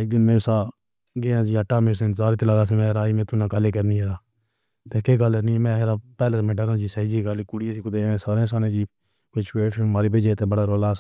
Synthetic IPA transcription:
iɡənmẽːsaː | ɡeːãːd͡ʒiːəʈːaːmẽːsenzaːɾiːt̪ːlaːɡaːsẽmɛ̃ːɾaːiːmẽːt̪ʊnãːkaleːkəɾniːeɾaː | t̪eːkeːɡalːnĩmɛ̃ːɦɾaːpɛːleːmẽːɖəɾãːd͡ʒiːsəid͡ʒiːkaleːkʊɽijeːsiːkʊd̪eːẽːsaːɾẽːsaːnẽːd͡ʒiː | kʊt͡ʃweːʈmaːɾiːbed͡ʒeːt̪eːbəɽaːɾoːlaːs

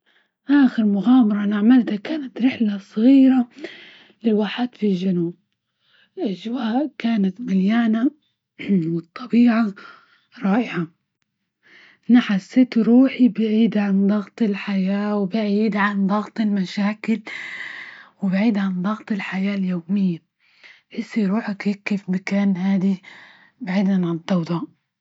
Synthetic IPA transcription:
ʔaːxɪɾmʊɣaːmɑɾˤɑnaʕmald̪akaːnat̪ɾɪħlasˤɣiːɾa | lɪlwaːħaːd̪filʒanuːb̚ | lʔaʒwaːʔkaːnat̪maljaːna | wɨt̪ˤːɑbiːʕa | ɾˤɑːʔɪʕa | naħasːɪːt̪ɾuːħibɪʕiːd̪ʕand̪ˤɑɣt̪ˤɪlħajaːwɪbɪʕiːd̪ʕand̪ˤɑɣt̪ˤɪlmaʃaːkɪl | wɪbʕiːd̪ʕand̪ˤɑɣt̪ˤɪlħajaːljoːmɪjːa | ʔɪsːiɾuːħakɪkːeːfmakaːnhaːd̪i | baʕiːd̪nanʕand̪ˤɑwd̪ˤɑːʔ

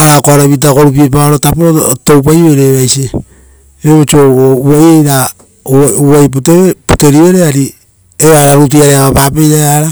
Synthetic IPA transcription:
aɾakoaɾaβit̬ako̞ɾup̬iep̬aoɾotapoɾoto̞wp̬ajeɾeβajse | ɾeβot͡ʃoɡouajejɾa | uajp̬utepute̞ɾiβe̞ɾeaɾi | eβaɾaɾut̬iaɾeaβapapejɾaaɾa

